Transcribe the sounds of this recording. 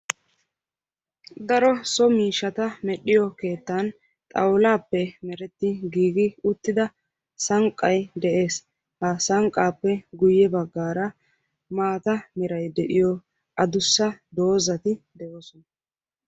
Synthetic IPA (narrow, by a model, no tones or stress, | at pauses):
d̪ɐɾɔsɔmiːʃːɐt̪ɐmɛɗɪjɔke̞ːt̪ːɐn | t̪ʼɐ̰wlaːpːɛmɛɾɛt̪ːɪɡiːɡɪʊt̪ːɪd̪ɐ | sɐŋkʼːɐjd̪ɛʔe̞ːs | hɐsɐŋkʼːaːpːɛɡʊjːɛbɐɡːaːɾɐ | maːt̪ɐmɛɾɐjd̪ɛʔɪjɔ | ʔɐd̪ʊsːɐd̪o̞ːzɐt̪ɪd̪ɛʔoːsɔnɐ